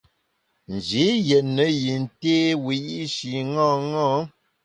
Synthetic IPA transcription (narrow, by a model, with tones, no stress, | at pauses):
n̩˨d͡ʒi˨˦jɛ˨nːə˨˦ji˨n˨te˦wi˨ʔi˦ʃi˨ŋɔ̃ː˦˨ŋɔ˦